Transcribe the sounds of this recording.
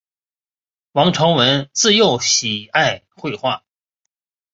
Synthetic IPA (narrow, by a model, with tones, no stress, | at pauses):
wɑ˧˥ŋʈ͡ʂʰɤ˧˥ŋwə˧˥nt͡sɹ̩˥˧jo˥˩ʊɕi˨˩a˥˧ɪ | xwe˥˧ɪxwa˥˩